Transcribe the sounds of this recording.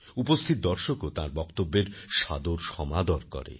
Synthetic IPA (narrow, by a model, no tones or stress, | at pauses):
upost̪ʰit̪̚d̪ɔɾʃokot̪ãɾbɔkt̪obːeɾʃa̰d̪oɾʃɔmad̪ɔɾkɔ̰ɾḛ